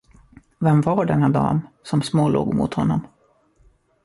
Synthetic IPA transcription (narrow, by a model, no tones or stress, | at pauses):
vɛmvaɖɛnːad̪ɑ̰ːmsɔmsmoːlo̰ːɡmʊ̰t̪hɔnːɔm